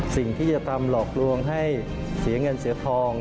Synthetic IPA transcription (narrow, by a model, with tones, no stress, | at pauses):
si˨˩ŋt̪ʰiː˥˩t͡ɕa˨˩t̪ʰa˧mlɔː˨˩k̚lu˧əŋɦa˥˩j | si˨˩˦ɐŋɤ˧nsi˩˦ɐt̪ʰɔː˧ŋ